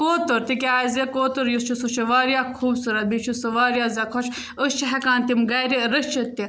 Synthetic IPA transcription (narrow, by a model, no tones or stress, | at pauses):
koːt̪oɾt̪ikʲaːzekoːt̪oɾjust͡ʃʰusut͡ʃiʋaːɾjaːkʰuːbsuɾɐbit͡ʃʰusɨʋaːɾjaːzɐkʰɔt͡ʃʰ | əst͡ʃʰɐɦɐkaːnt̪imɡɐːɾiɾɐst͡ʃʰɐt̪ːi